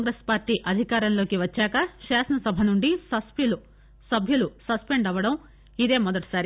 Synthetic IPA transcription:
ŋɡɾespaːɾʈiːʔɐd̪ʱikaːɾɐnlo̞ːkiʋɐt͡ʃːaːkɐʃaːʃɐnɐsɐbʱɐnuɳɖisɐspjulu | sɐbʱjulusɐspe̞ɳɖɐʋːɐɽɐm | id̪e̞ːmɔd̪ɐʈi̥saːɾi

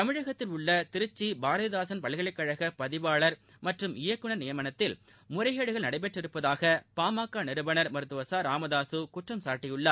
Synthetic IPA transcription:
tt̪ɐmɪɻɐɣɐt̪ːɪlʊɭːɐt̪ɪɾɯt͡ʃːibaːɾɐðɯðaːsɐnpɐɭɪɣɐɭɐɪkːɐɻɐɣɐpɐðɪʋaːɭɐɾ | mɐʈrɯmɪjɐkːɯɳɐɾnɪjɐmɐnɐt̪ːɪl | mʊɾɐɪɣeːɽɯɣɐɭnɐɽɐɪp̬ɛʈrɪɾɯpːɐðaːɣɐpaːmaːkːaːnɪɾɯbɐnɐɾmɐɾɯt̪ːɯʋɐsaːɾaːmɐðaːsɯkʊʈrɐmsaːɾʈːɪjɯɭːɐ

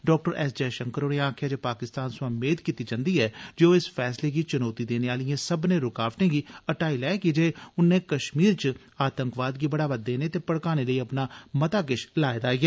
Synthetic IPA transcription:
ɖɔːk̚ʈəɾɛːsd͡ʒɛːʃəŋkəɾoːneːaːkʰjaːd͡ʒeːpaːkɪst̪aːnswãːmeːd̪kiːt̪iːd͡ʒãːnd̪iːɛːd͡ʒeoːɪspʰɛːsleːɡiːt͡ʃənɔːt̪iːd̪eːneːaːlɪjãːsəbnẽːɾʊkaːʋʈẽːɡiːəʈaːiːlɛːkid͡ʒeːʊnẽːkəʃmiːɾt͡ʃ | aːt̪əŋkʋaːd̪ɡiːbəɽaːʋəd̪ːeːneːt̪eːpəɽkaːneːləiːəpnaːmət̪aːɡɪʃlaːed̪aːiːɡɛː

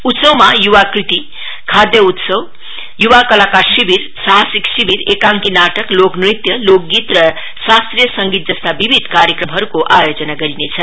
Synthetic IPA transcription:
ut̪sʌwmajuwakrit̪i | kʰad̪jʌut̪sʌw | juwakʌlakarsibiɾ | saɦsiksibiɾekãŋkinaʈʌkloknrit̪jʌlok̚ɡit̪rʌ | sast̪rijəsʌŋɡit̪̚d͡zʌst̪ʰabibʱid̪ʱkaɾjəkrʌmɦʌɾukoʔajod͡zʌnaɡʌɾinet͡sʰʌ

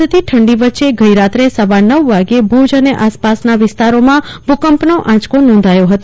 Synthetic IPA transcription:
ət̪ʰiʈʰəɳɖiʋətːʃeɡəiɾat̪ɾesəʋanəʋːaɡebʱud͡ʒəneʔaspasnaʋɪst̪aɾomã | bukəmpnoʔãt͡ʃkonɔ̃nd̪ʱajoɦət̪

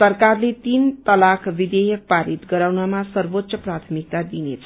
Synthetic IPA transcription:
ʌrkarlet̪int̪ʌlakʰbid̪ejʌk̚paɾit̪ɡʌɾawnamasʌrbot̪ːsʌprat̪ʰʌmik̚t̪ad̪inet͡sʰʌ̥

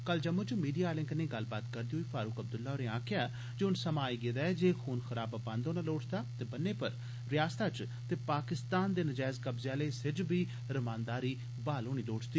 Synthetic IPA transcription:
kəld͡ʒəmːʊd͡ʒmiːɖijaːlɪ̃ŋkneːɡəlbaːt̪kəɾd̪iːɦoːiːfʰaːɾʊkəb̚d̪ʊlːaːoːɾẽːãːkʰjaː | d͡ʒʊnsəmaːiːɡeːd̪aːɛd͡ʒeːxʰuːnxəɾaːbabãnd̪oːnaːloːʈʰt̪aːt̪eːbənːeːpəɾ | ɾɪjaːst̪aːt͡ʃ | t̪eːpaːkɪst̪aːnd̪eːnəd͡ʒaːɪzkəbzjãːleːsɪd͡ʒbiː | ɾəmãːnd̪aːɾiː | baːloːɽ̃iːloːʈʰd̪iː

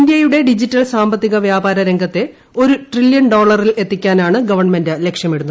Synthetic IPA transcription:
ndjɐjuɽe̞ɖid͡ʑitːɐlsaːmbɐt̪ːiɣɐʋjaːbaːɾɐɾeŋɡʱɐt̪ːe̞ | o̞ɾuʈriljɐnɖo̞ːɭɐrile̞t̪ːikʲːaːnaːɳɨɡɐʋɐrɳmendɨlekʂjɐmeɽunːu

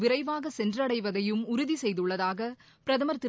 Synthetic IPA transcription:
ʋɪɾɐɪʋaːɣɐsɛndrɐɽɐɪʋɐðɐjɯmʊɾʊðisɛjðɯɭːɐðaːɣɐ | pɪɾɐðɐmɐɾt̪ɪ

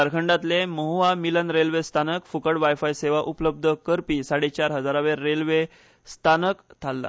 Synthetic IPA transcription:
əɾkʰəɳɖat̪leməɦuʋamilənɾelʋest̪ʰanəkfukəɽʋajfajseʋaʔupləb̚d̪ʱəkəɾpisaɽet͡ɕaɾɦəd͡zaɾaʋeːelʋe | st̪ʰanəkt̪ʰalːa̰

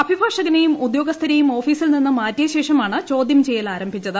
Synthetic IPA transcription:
ɐbʱibʱaːʂɐɡɐnejumud̪jo̞ːɡɐst̪ʰɐɾɐjumo̞ːfiːsilninːɨmaːtːijɐɕe̞ːʂɐmaːɳɨt͡ɕo̞ːd̪jɐmt͡ɕejɐlaːɾɐmbʱit͡ɕːɐðɨ

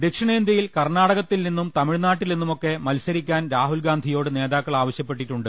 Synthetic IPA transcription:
d̪ekʂɐɳeːnd̪ɐjilkɐrnaːɽɐɣɐt̪ːilninːumt̪ɐmiɻnaːʈːilninːumo̞kːe̞mɐlsɐɾikʲːaːnɾaːɦulɡaːnd̪ʱijo̞ːɽɨne̞ːðaːkːɐɭaːʋɐɕjɐpːe̞ʈːiʈːuɳɖɨ

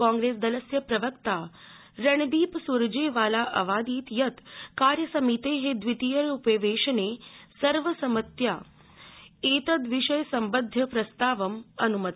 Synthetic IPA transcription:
kãːŋɡɾeːsd̪ɐləsjəpɾɐʋəkt̪a | ɾɐɳ̃b̪iːpsuɾd͡ʒeːʋaːlaʔɐʋaːd̪iːt̪jɐt̪kaːɾjəsɐmit̪eɦed̪ʋit̪ijəɾupeʋeːʃɐnesɐɾʋəsɐmət̪jaː | eːt̪ɐd̪ʋiʃəjsɐmbəd̪ʱːjɐpɾɐst̪aːʋəmɐnumət̪

